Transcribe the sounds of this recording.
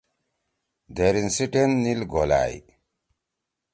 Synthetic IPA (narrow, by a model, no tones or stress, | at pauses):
d̪eɾinsiʈenːilɡola̰ːj